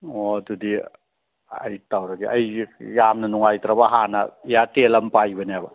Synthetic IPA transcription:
odudi | ɐ̰jtawɾɐɡiʔɐjjamnɐnuŋajtɾabaɦanɐ̰ijatelɐmpajbɐnijabɐ

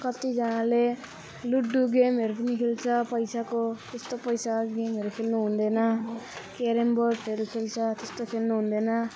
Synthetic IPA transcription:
kʌt̪id͡zʌnale | luɖuɡemɦʌɾup̬ʌnikʰelt͡sʰʌpʌjsakot̪est̪opʌjsaɡemɦʌɾukʰelnuɦund̪enʌkeɾemboʈʰʌɾukʰelt͡sʰʌt̪est̪okʰelnuɦund̪ʌnʌ

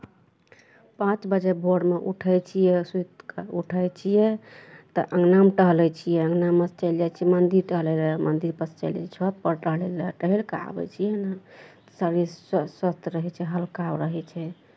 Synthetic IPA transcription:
pãt͡ʃbəd͡ʒebʱoɽmeʔṵʈʰəjt͡ʃʰijɛsut̪kuʈʰəjt͡ʃʰijɛt̪əʔəŋɡnamʈəɦlɛt͡ʃʰijɛəŋɡnamːəst͡ʃəjld͡ʒajt͡ʃʰijɛmənd̪iɾʈəɦlɛlɛmənd̪iɾpəst͡ʃə̰lɛ̰t͡ʃʰɔt̪̚pəɾʈəɦleleʈəɦilkəa̰bɛ̰t͡ʃʰijɛnat̪ə̥səɾisswəst̪ʰɾəɦɛt͡ʃʰɛɦəlkawɾəɦɛt͡ʃʰɛ

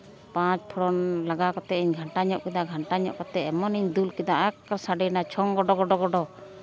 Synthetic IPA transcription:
pãt͡ʃpʰɔɾɔnlaɡakɔt̪ɛiɲɡʱaɳʈaɲɔʔkɛd̪aɡʱaɳʈaɲɔʔkɔt̪ɛɛmɔniɲd̪ulkɛd̪aʔakaɾsaɖɛnat͡ʃʰɔŋɡɔɖɔɡɔɖɔɡɔɖɔ

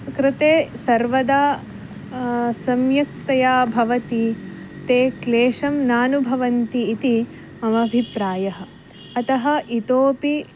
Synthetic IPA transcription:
kɾɪt̪eːsɐɾʋɐd̪aː | sɐmjɐk̚t̪ɐjaːbʱɐʋɐt̪it̪eːkleːʂɐmnaːnubʱɐʋɐnt̪iːt̪i | mɐmɐbʱipɾaːjɐɦɐ̆ | ɐt̪ɐɦɐ̆ʔit̪oːpi

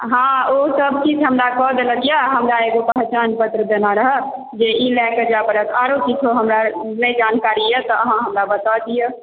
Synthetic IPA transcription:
ɦãosəbʱkit͡ʃʰɦəmɾakɔd̪ləɡijaɦəmɾaeɡopəɦt͡ʃanpət̪ɾəd̪enaɾəɦə | d͡ʒeilɛked͡ʒapəɾəkʰaɾokit͡ʃʰoɦəmɾanəid͡ʒaːnkaːɾiɛt̪ɔəɦãɦəmɾabət̪ad̪ije

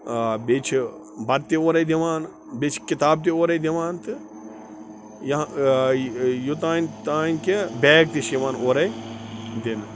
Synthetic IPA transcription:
bet͡ʃʰ | bɐd̪̚t̪ioːɾɐjd̪iʋaːn | bet͡ʃʰkit̪aːb̚t̪̬ioːɾɐjd̪ʲiʋaːnt̪ɨ | jɐ | jut̪̬aːnt̪aːnkebeːk̚t̪iʃiʋaːnoːɾɐjd̪in

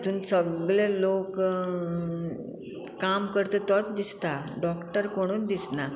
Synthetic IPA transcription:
t̪uːnsəɡɭelok | kamkəɾt̪ət̪ɔt̪̚d̪ist̪aɖɔkʈəɾkoɽ̃uːnd̪isna

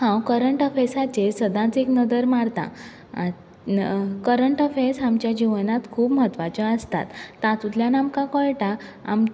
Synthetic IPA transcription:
hãwkəɾəɳʈɔfesat͡ɕesəd̪ãt͡seknəd̪əɾmaɽt̪ã̰ | kəɾəɳʈɔfesamt͡ɕjad͡ʑiʋnat̪kʰuːpmɦət̪ʋat͡ɕɔəst̪a̰t̪ːãt̪ut̪ljanamkãkɔɭʈaa̰m

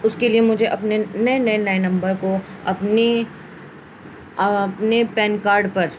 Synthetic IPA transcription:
ʊskeliemʊd͡ʒʱeʔɐpnenɐenɐenɐenɐ̃mbəɾkoɐpne | ɐpnepɛːnkaːɾɖpɐɾ

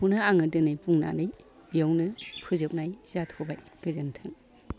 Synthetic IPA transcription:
punɯaŋɯdɯnɯjpuŋna̰dɯj | b̥ijawnɯpʰɯzɯp̚najzatʰɔbajkɯzɯntʰɯŋ

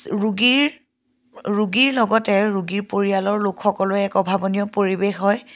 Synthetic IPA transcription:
ɹuɡiɹ | ɹuɡiɹlɔɡɔtɛɹuɡiɹpoɹijalɔɹlokxɔkɔlʊɛkɔbʱabɔnijɔpoɹibexɦɔj

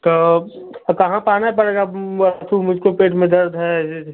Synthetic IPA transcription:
t̪oː | kɐɦãpaːnaip̬ɐɽeːɡaət̪umʊd͡ʒʱkopeːʈmẽd̪ɐɾd̪ɦɛ

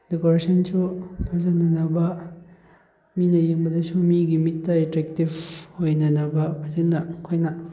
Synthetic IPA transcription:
dekoɾesɐnsupʰɐzɐnɐnɐbɐ | minɐjeŋbɐdɐsumiɡimitːɐetɾek̚tibhojnɐnɐbɐbʰatilnɐkʰojnɐ

